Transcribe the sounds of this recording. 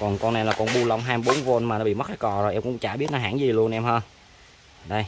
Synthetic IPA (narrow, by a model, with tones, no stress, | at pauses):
kɔ˨˩nkɔ˧na˨˧˩laː˨˩kɔ˧nɓu˧lə˧wŋ͡mɦaː˧jmɓo˨˦nvo˧nmaː˨˩n˨˧ɓḭ˧˨mə˦˥aː˧˦jkɔ˨˩zo˨˩ʔɛ˧ŋ͡mkʊ̰˧˥wŋ͡mt͡ɕaː˧˩ɓi˦˥ət̚naː˧˩ɦa̰ː˧˥˨ŋzi˨˩lu˧ənʔɛ˧mhəː˧n | ɗə˧j